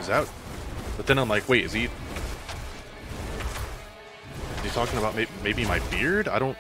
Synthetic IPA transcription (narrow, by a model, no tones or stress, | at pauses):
ɨzaʊt̚ðɨt̪θɪ̃ŋãɪ̃mlaɪkweɪɨz̥i | ɨtʰɔkɪ̃ŋəbaʊt̚meɪbimeɪbimaɪbɪɹdaɪɾõʊ̃n